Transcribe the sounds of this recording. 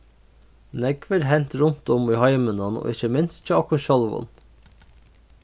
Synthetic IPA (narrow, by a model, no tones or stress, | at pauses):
nɛɡʋəɾɦɛnt̪ɾʊnt̪ɔmiːhɑɪmənɑno̰ːʔɪçəmɪnst̪c͡çəɑkʊnʃɑlʋʊ̰n